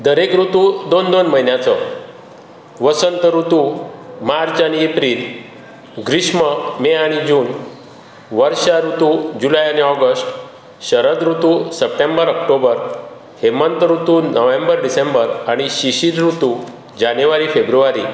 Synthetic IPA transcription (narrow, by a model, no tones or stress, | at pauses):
d̪əɾekɾut̪ud̪ond̪onməɦinjat͡sɔ | ʋəsənt̪əɾut̪umaɾt͡saɽ̃iepɾiːl | ɡɾiɕməmeaɽ̃id͡ʑuːn | ʋəɾɕaɾut̪ud͡ʑulajañiɔɡəsʈ | ɕəɾəd̪ɾut̪usəp̚ʈẽmbəɾək̚ʈobəɾ | hemənt̪əɾut̪unəʋẽmbəɾɖisembəɾaɽ̃iɕiɕiɾɾut̪u | d͡ʑanjʋaɾifebɾuʋaɾḭː